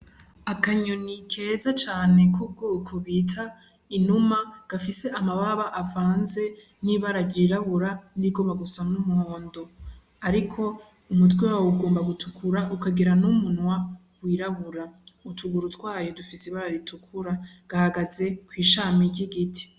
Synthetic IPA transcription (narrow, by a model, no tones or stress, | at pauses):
akaɲonikʰe̞ːzat͡ʃaːne̞kʰub̚ɡuːkʰoβiːtʰa | inumaɡ̥afise̞ʔamaβaβaʔavaːnze̞ | niβaɾaɾɟiɾaβuɾandiɡo̞ːmbaɡusamnumuhoːndo̞ | aɾikʰo̞ | umut̬wewawuɡoːmbaɡutʰukʰuɾaʔukaɡiɾanumunwa | wiːɾaβuɾautʰuɡuɾutwaːjodufisiβaɾaɾitʰukʰuɾaɡ̥ahaɡaze̞kwiːʃaːmiɾɟiɡitʰi̥